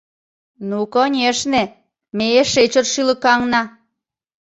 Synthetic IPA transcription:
nukonʲeʃne | meeʃet͡ɕərʃyləkɑŋnɑ

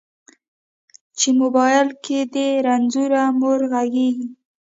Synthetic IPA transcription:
t͡ʃemʊbɑjɪlked̪eɾanzuɾamoɾɣaɡeɡi

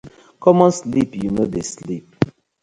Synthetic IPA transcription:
kɔmɔ̃nslipjunodeslip̚

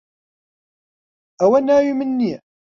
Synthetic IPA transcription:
æwænaimənːi

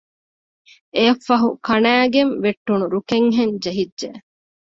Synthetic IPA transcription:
eɐfːɐɦukɐnæːɡenʋeʈːunuɾukeŋɦend͡ʒeɦidːʒe

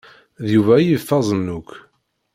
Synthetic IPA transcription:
ðjuvæjifːɑzˤnːʊkː

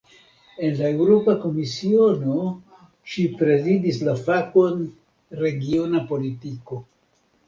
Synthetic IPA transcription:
e̞nlae̞wɾo̞pako̞misio̞no̞ | ʃipɾe̞zidislafako̞n | ɾe̞ɡionapo̞litiko̞

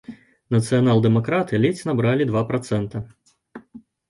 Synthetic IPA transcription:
nɐt̪sɨjanalˠd̪ɛmakɾat̪ɨlʲɛt͡sʲnɐbɾalʲid̪vapɾat̪sɛnt̪ɐ

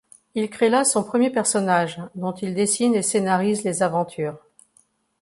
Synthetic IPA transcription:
ilkχelasɔ̃pχəmjepɛʁsɔnaʒd̪ɔ̃t̪ild̪esinesenaʁizlezavɑ̃t̪ʰyːʁ

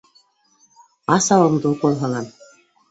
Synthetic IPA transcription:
ɑsɑwɤ̆md̪ukolˠɦɤ̆lˠɑn

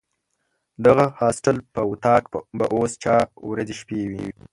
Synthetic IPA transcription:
d̪aɣahɑsʈalpəwut̪ɑkbaʔost͡ʃɑwɾazeʃpewi

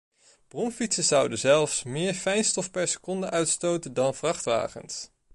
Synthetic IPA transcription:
b̥rɔmfitsəz̥ʌwdəzɛlˠfsmɪːɹfɛjnstɔfpɛɹsə̥kɔndəʔœɥtstowtəndɑnv̥rɑχtʋa̰ːχə̰ns

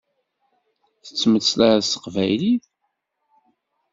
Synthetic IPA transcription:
θə̥t͡sːməslaɾæsə̥qvæ̰jliθ

